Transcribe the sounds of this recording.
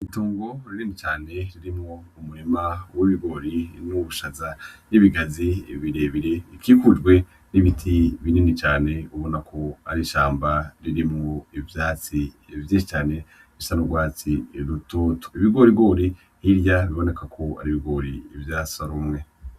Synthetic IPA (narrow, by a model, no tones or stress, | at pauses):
ituːŋɡo̞ɾininit͡ʃaːne̞ɾiɾimŋoumuɾimawiβiɡo̞ːɾinuβuʃazaniβiɡaziβiɾe̞βiɾe̞ikikud͡ʒɡwe̞ | niβitʰiβininit͡ʃaːne̞uβo̞nakʰo̞a̰ɾiʃaːmbaɾiɾimŋoivjaːt͡si | vjiːʃit͡ʃaːne̞ | βisanoɡwaːt͡siɾutotu̥iβiɡo̞ɾiɡo̞ːɾi | hiɾjaβiβo̞ne̞kakʰo̞a̰ɾiβiɡo̞ːɾiːvjaːsaɾumŋe̞